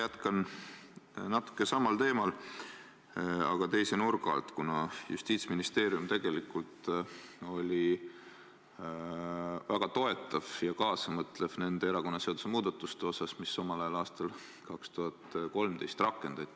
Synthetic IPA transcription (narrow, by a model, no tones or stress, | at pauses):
jæt̪kɑn | nɑt̪ːˑu̥kːˑe̞sɑmɑlt̪e̞ːmɑl | ɑɡ̥ɑt̪e̞jse̞nurɡ̥ɑ̰lt̪kunɑjṵst̪iːt̪sminist̪e̞ːɾjumt̪e̞ɡ̥e̞likult̪ | o̞lʲi | væɡ̥ɑt̪o̞e̞t̪ːˑɑvjɑkɑːsɑmɤt̪ˑle̞fne̞nd̪eeɾɑko̞nːɑse̞od̪̥u̥se̞muːd̪̥ɑt̪ːˑust̪eo̞sɑsmisːomɑlɑjɑlɑːst̪ɑl | kɑkst̪uɦɑt̪ko̞lmt̪ejst̪rɑkːˑe̞nd̪̥ɑt̪ʲː